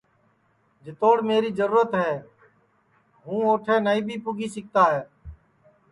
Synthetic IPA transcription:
d͡ʒɪt̪oːɽmeːɾiːzəɾuːɾət̪ɦɛː | ɦũːoːʈʰeːnəĩːbʱiːpʊɡiːsɪk̚t̪aːɦɛː

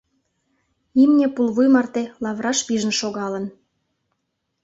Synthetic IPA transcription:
imnʲepulβujmɑrt̪elɑβrɑʃpiʒə̆nʃoɣɑlə̆n

